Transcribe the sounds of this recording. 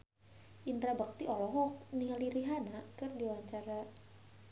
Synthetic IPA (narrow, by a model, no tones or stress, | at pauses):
ʔint̪ɾabak̚t̪iʔɔlɔɦɔk̚nialiɾiɦanakɨrdiwaɲt͡ʃaɾa